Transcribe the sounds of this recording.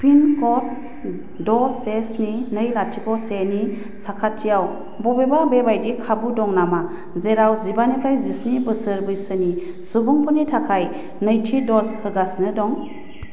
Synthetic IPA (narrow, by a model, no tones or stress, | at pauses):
pʰinkɔt̚ | dɔsesninɯjlatʰikɔseni | sakʰatʰːijaw | bɔbebabebajdikʰabudɔŋnama | zeɾawzibanipʰajzisnibɯsɯɾbɯjsɯni | subɔŋpʰɔnitʰakʰaj | nɯjtʰidɔzhɯɡasnɯdɔŋ